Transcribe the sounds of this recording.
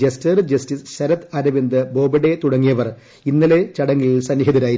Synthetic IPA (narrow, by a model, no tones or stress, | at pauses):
ɐstɐrɨd͡ʑɐstisɕɐɾɐt̪ːɐɾɐʋind̪ɨbo̞ːbɐɽet̪uɽɐŋːijɐʋɐr | inːɐlet͡ɕɐɽɐŋːilisɐnːiɦɐðɐɾaːji